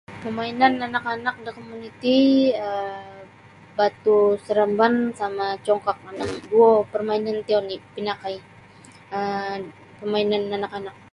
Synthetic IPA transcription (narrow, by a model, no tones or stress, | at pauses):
pəmainananakanak̚dəkomunit̪iə | bat̪usəɾambansamat͡ʃɔŋkak̚anaŋduopərmainant̪ionipinakai | ə | pəmainananakanak̚